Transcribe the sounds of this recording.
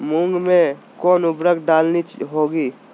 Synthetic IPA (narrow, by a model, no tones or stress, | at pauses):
muŋɡme | koːnubɾəkɖalnit͡ʃɦoɡi